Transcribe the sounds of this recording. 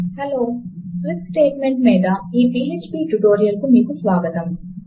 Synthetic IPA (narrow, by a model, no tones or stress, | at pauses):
heloːsʋit̪sʈeːʈmeɳʈmiːd̪ɐiːpiːeːt͡ʃpiːʈuʈoːɾijɐlkumiːkusʋaːɡɐt̪ɐm